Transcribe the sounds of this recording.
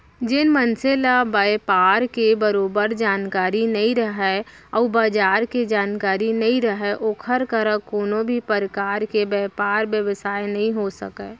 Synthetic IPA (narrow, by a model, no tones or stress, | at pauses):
d͡ʒɪnmənselabajpaːɾkebəɾoːbəɾd͡ʒaːnkaːɾinɐɦĩɾəɦɛ | ɔːbaːd͡ʒaːɾked͡ʒaːnkaːɾinɐɦĩɾəɦeʔoːkʰəɾkəɾəkoːnõbʱipəɾəkaːɾkebɛːpaːɾbjəʋəsaːjnɐɦĩɦosə̰keː